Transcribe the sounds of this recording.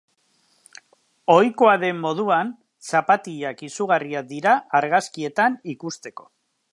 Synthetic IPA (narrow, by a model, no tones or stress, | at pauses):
o̞jko̞aðe̞mːo̞ð̞uan | sapat̪iʎakisuɣariad̪iɾaaɾɣaskie̞t̪anikust̪e̞ko̞̥